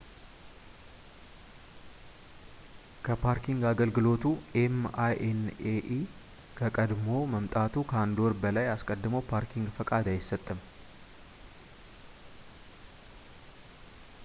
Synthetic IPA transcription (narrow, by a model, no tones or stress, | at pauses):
kʰəpʰaɾkʰiŋɡaɡəlɡɨlo̞t̪ʰuemajʔeneʔi | kʰəkʼəd̪mo̞məmt̪ʼat̪ʰukʰəand̪oɾbəlajaskʼəd̪ːɨməwpʰaɾkʰiŋɡfəkʼad̪ajɪsːət̪ʼːɨm